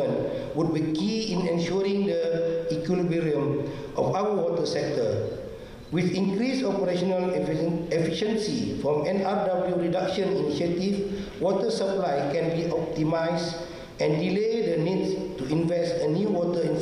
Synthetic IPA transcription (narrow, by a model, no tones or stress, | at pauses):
ə̃n | wut̚bikiĩnɛ̃nʃɔɾĩŋdəikwilubiɹiə̃m | ʔɔfawəwɔtəsɛk̚tə | wiθĩŋkɾisɔpəɾeʃɔnəlɛfiʃə̃nsifɹɔ̃mɛ̃nadabljuɹidakʃə̃niniʃətif | wɔtəsəplajkɛ̃nbiʔɔp̚timajs | ɛ̃ndiledənitstuĩnvɛstənjuwɔtəĩn